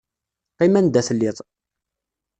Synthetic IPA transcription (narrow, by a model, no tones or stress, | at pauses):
qimænd̪æθəlːɪðˤ